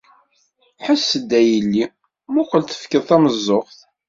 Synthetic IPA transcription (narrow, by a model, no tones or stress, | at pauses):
ħəsːəd̪ːæjəlːi | mukʷəlθə̥fkəðˤθæməzˤːoχθ